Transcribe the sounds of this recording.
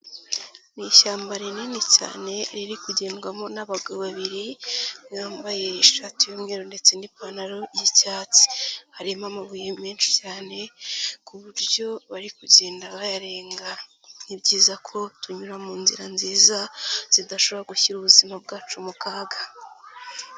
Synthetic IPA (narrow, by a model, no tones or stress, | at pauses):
niʃaːmbaɾininica̰ːne̞ɾiɾikuɟe̞ːnɡwamo̞naβaɡoβaβiɾimŋaːmbaje̞iʃatijumŋe̞ːɾonde̞t͡senipanaɾo̞jicaːt͡si̥haɾimamaβujemiːnʃi̥caːne̞kuβuɾɟo̞βaɾikuɟe̞ːndaβajaɾe̞ːŋɡa | nibɟiːzakʰo̞tuɲuɾamuːnziɾanziːzaz̥idaʃo̞βoɾaɡuçiɾuβuzimabɡaːt͡ʃumukaːɡa